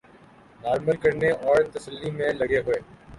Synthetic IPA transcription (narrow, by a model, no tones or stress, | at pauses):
naːɾməlkəɾneʔɔːɾt̪əsəlːimẽlɐɡeɦʊeː